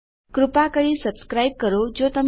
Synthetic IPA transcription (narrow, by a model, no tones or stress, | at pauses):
kɾupakəɭiːsəbskɾaib̚kəɾod͡ʑot̪əm